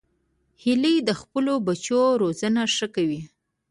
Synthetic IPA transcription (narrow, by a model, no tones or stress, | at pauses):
hiləjd̪əxpəlobat͡ʃoɾozənaʂəkawi